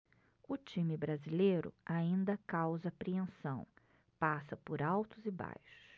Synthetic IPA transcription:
ʊt͡ʃĩmɪbɾazilejɾʊ̰aĩnd̪ɐkawzɐpɾiẽsɐ̃w̃ | pasɐpʊɾawt̪ʊzɪba̰jʃʊ̥

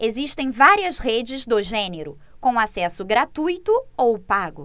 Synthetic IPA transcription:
eziʃt̪ẽj̃vaɾiɐzhed͡ʒɪzd̪ʊʒẽneɾʊ | kõw̃ũasɛsʊɡɾat̪ujt̪ʊowpaɡʊ

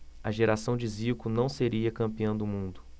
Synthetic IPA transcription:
ɐʒeɾasɐ̃w̃d͡ʒɪzikʊnɐ̃w̃seɾiɐkɐ̃mpiɐ̃w̃d̪ʊmũnd̪ʊ

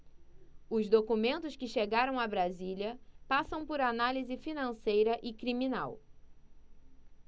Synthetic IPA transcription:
ʊzd̪okumẽnt̪ʊskɪʃeɡaɾɐ̃w̃abɾazilʲɐpasɐ̃w̃pʊɾanalizɪfinɐ̃sejɾɐʔɪkɾimina̰w

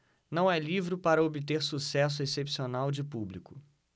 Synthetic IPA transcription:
nɐ̃w̃ɛlivɾʊpaɾɐobɪt̪eɾsusɛs̬ʊesepsionawd͡ʒɪpublikʊ

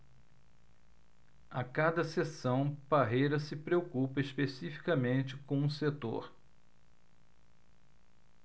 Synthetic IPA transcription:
akad̪ɐsesɐ̃w̃paɦejɾɐsɪpɾeokupɐiʃpesifi̥kɐmẽt͡ʃɪkõw̃ũset̪o̰ɾ

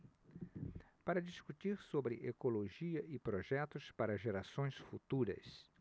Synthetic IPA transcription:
paɾɐd͡ʒiskut̪iɾsobɾɪʔekoloʒiɐʔɪpɾoʒɛt̪ʊspaɾɐʒeɾasõj̃sfut̪uɾɐ̰s

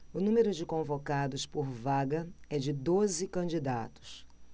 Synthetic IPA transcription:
ʊnũmeɾʊd͡ʒɪkõvokad̪ʊspʊɾvaɡɐɛd͡ʒɪd̪ozɪkɐ̃nd͡ʒid̪a̰t̪ʊ̥s

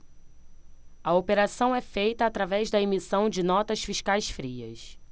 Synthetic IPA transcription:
ɐopeɾasɐ̃w̃ɛfejt̪ɐːt̪ɾavɛʒd̪ɐemisɐ̃w̃d͡ʒɪnɔt̪ɐsfiʃkajsfɾiɐ̰s

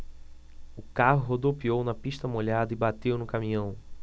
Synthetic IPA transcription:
ʊkaɦʊɦod̪opiownɐpiʃt̪ɐmoʎad̪ɐɪbat̪ewnʊkamĩɲɐ̃w̃

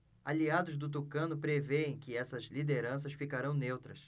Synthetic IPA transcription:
aliad̪ʊzd̪ʊt̪ukɐ̃nʊpɾeveẽj̃kɪɛsɐzlid̪eɾɐ̃s̬ɐsfikaɾɐ̃w̃newt̪ɾɐs

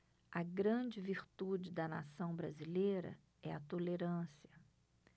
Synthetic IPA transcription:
ɐɡɾɐ̃d͡ʒɪviɾt̪ud͡ʒɪd̪ɐna̰sɐ̃w̃bɾazilejɾɐ̰ | ɛɐt̪oleɾɐ̃siɐ

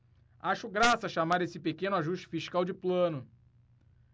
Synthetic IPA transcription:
aʃʊɡɾasɐaʃamaɾesɪpekẽnʊaʒuʃt͡ʃɪ̥fiʃkawd͡ʒɪplɐ̃nʊ

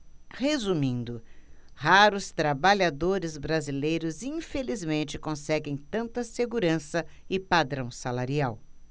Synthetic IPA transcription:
hezumĩnd̪ʊhaɾʊst̪ɾabaʎad̪oɾɪzbɾazilejɾʊzĩfelizmẽnt͡ʃɪkõsɛɡẽj̃t̪ɐ̃nt̪ɐseɡuɾɐ̃sɐ | ɪpad̪ɾɐ̃w̃salaɾiaw

